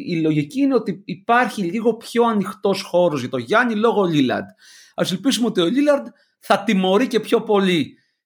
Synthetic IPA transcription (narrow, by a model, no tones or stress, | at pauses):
ilo̞ʝiciine̞o̞t̪iːpɐɾçiʎiɣo̞pço̞ɐnixt̪o̞sxo̞ɾo̞zʝɐt̪o̞ʝɐnilo̞ɣoʎilɐ̰nd̪ | ɐse̞lpizumeot̪io̞ʎilɐɾd̪ | θɐt̪imo̞ɾice̞pço̞po̞li